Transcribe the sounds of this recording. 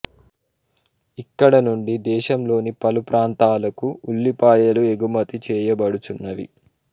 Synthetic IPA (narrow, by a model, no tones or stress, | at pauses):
ikːɐɽɐnuɳɖid̪ɛːʃɐmlo̞ːnipɐlupɾaːnt̪aːlɐkuuɭːipaːjɐlue̞ɡumɐt̪it͡ʃɛːjɐbɐɽut͡ʃunːɐʋḭ